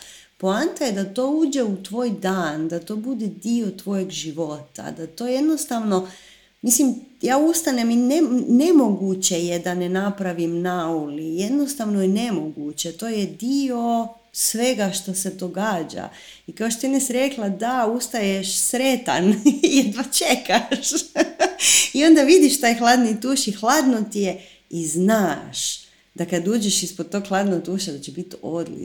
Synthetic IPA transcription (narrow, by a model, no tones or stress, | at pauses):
poant̪ajed̪at̪o̞uːd͡ʑeut̪ʋo̞ːjd̪aːnd̪at̪o̞bud̪ɛd̪io̞t̪ʋo̞jeɡʒiʋo̞t̪a̰d̪at̪o̞ːje̞d̪no̞st̪aʋno̞ | mislimjaːust̪aneminenemo̞ɡut͡ɕejed̪anenapɾaʋimnaulije̞d̪no̞st̪aʋno̞inemo̞ɡut͡ɕet̪o̞ːjed̪io̞ | sʋe̞ɡaʃt̪ose̞d̪o̞ɡaːd͡ʒa̰ | ikaoʃt̪ot̪inesiɾeklˠad̪aust̪ajeʃsɾet̪a̰njɛd̪at͡ʃekaʃ | io̞nd̪aʋid̪iʃt̪aːjxlˠaːd̪nit̪uːʃixlˠaːd̪not̪ije | iznaːʃ | d̪akad̪uːd͡ʒeʃispod̪̚t̪o̞ɡxlˠaːd̪noɡ̚t̪uːʃad̪at͡ɕebit̪od̪lḭ